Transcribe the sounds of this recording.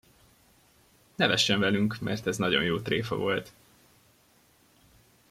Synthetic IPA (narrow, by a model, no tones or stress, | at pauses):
nɛvɛʃːɛɱvɛlyŋkmɛ̰rt̪ɛznɒɟo̞̰njoːt̪reːfɒ̰vo̞lt̪